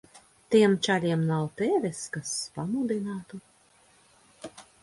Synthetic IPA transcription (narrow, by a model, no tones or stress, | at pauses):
t̪iɛmt͡ʃalʲiɛmnawt̪eːvʲɛskaspamud̪inaːt̪u